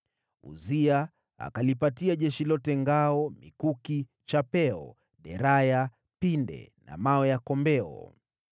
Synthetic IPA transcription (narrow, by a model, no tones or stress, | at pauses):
ṵzia | a̰kalipatiaʄɛʃilɔtɛŋɡaɔmikuki | t͡ʃapɛɔ̰ | ɗɛɾaja | pindɛ̰na̰mawɛjakɔmbɛɔ̰